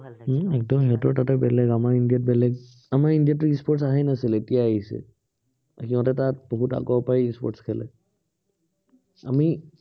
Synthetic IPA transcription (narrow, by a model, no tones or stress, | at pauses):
ɛk̚dɔmhiɦɔtɔɹtatɛbɛlɛɡamaɹindijat̚bɛlɛɡ | amaɹindijatːʊispɔɹtsaɦajnasiletijaaɦisɛ̰ | kiɔ̃tɛtat̚boɦuta̰kɔɹpaɹiispɔ̰tskʰɛlɛ̰ | a̰mi